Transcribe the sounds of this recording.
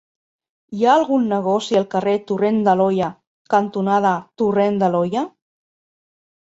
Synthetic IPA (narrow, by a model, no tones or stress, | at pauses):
iaːlˠɣunːəɣ̞ɔsiəlˠkəret̪urend̪əlɔja | kant̪unað̞at̪urend̪əlɔja